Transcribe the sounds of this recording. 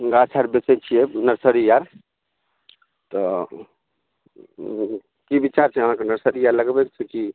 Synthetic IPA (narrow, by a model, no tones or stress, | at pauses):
ɡat͡ʃʰaɾbet͡ʃɛt͡ʃʰijɛnəɾsəɾijaɾ | t̪ɔ | kibit͡ʃaɾt͡ʃʰɛəm̤ãkenəɾsəɾijaɾləɡbɛkt͡ʃʰɛki